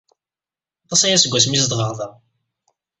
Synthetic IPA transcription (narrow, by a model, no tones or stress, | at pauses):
t̪ˤːɑsæjæsəɡʷæsmisd̪ʁəɾˤðˤɑ